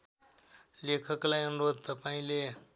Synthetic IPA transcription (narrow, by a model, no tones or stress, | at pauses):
lekʰʌklajʌnuɾod̪̚ʱt̪ʌpaĩle